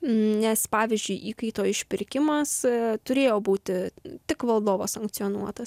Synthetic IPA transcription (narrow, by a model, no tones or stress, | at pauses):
nʲɛspɑːʋʲɪzʲd͡ʒʲʊɪʔiːkɐɪt̪oːɪʃʲpʲɪɾʲkʲɪmɐst̪ʊɾʲeːjoːbuːt̪ʲɪt̪ʲɪkʋɐlˠd̪oːʋoːsɐŋk̚tsʲioːnuɔt̪ɐs